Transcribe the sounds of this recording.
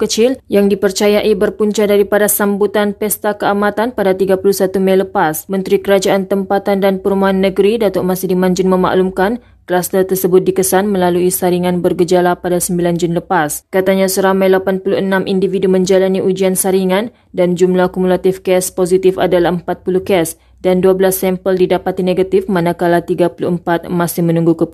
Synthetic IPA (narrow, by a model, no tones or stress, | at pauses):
kət͡ʃɪljaŋdipərt͡ʃajaʔibərpuɲt͡ʃaʔdaɾipadasambut̪anpɛst̪akəamãt̪anpadat̪iɡapulusat̪umajləpasmə̃nt̪ɾikəɾad͡ʒaʔant̪əmpat̪andanpəɾumuɦanːəɡəɾidat̪ɔʔmasɪhdimãɲd͡ʒɪnmə̃ma̰ʔlumkan | kəlast̪ərt̪ərsəbʊt̪̚dikəsanmə̃laluisaɾiŋãnbərɡəd͡ʒalapadasəmbiland͡ʒuniləpaskat̪aɲãsəɾamajlapanpuluənãmʔindividumə̃ɲd͡ʒalaniʔud͡ʒiansaɾiŋan | dand͡ʒumlahkumulat̪ifkɛsposit̪ɪfa̰dalaɦəmpat̪̚puluhkɛs | danduabəlasːɛmpəldidapat̪ineɡat̪ɪfmanãkalat̪iɡapuluʔəmpat̪̚mãsɪhmənũŋɡukə